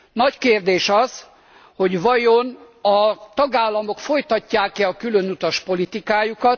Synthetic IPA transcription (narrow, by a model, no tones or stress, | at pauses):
nɒckeːrd̪eːʃɒz̥ | ho̞ɟʋɒjon | ɒt̪ɒɡaːlːɒmo̞kfo̞jt̪ɒcːaːkɛɒkylø̞nut̪ɒʃpo̞lit̪ikaːjukɒt̪̚